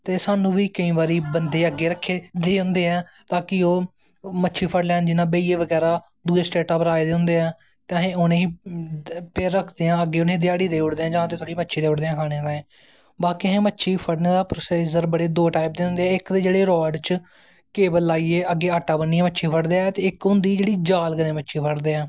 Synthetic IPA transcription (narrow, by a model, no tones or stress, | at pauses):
t̪eːsaːnũːʋiːkəĩːbaːɾiːbənd̪eːəɡːeːɾəkʰːeːd̪eːɦʊ̃nd̪eːɛː | t̪aːkioː | mətːʃʰiːpʰəɽlɛ̃ːnd͡ʒɪnãːbeiːeːʋəɡɛːɾaː | d̪uːeːsʈeːʈaːpɾaːeːd̪eːɦʊ̃nd̪eːɛ̃ː | t̪eəɦẽːʊnẽːiː | peːɾːəkʰd̪eːãːəɡːeːʊnẽd̪ɪjaːɽiːd̪eːʊʈd̪eːãːd͡ʒãːt̪eːt̪ʰoːɽiːmətːʃʰiːd̪eːʊʈd̪eːãːkʰaːɽ̃ẽːd̪aẽː | baːkiɦẽːmətːʃʰiːpʰəɽnẽːd̪aːpɾːseːzəɾbəɽeːd̪oːʈaːɪp̚d̪eːɦʊ̃nd̪eːɛ̃ːɪkd̪eːd͡ʒeːɽeːɾɔːɖt͡ʃ | keːbəlːaːiːeːəɡːeːaːʈːaːbənːĩːmətːʃʰiːpʰəɽd̪eːɛt̪eːɪkʊnd̪iːd͡ʒeːɽiːd͡ʒaːlɡənẽːmətːʃʰiːpʰəɽd̪eːɛ̃ː